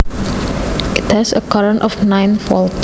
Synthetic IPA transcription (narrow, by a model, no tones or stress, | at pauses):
ɪthɛsə̰kʰɔɹə̃nʔɔfnãɪ̃nfɔl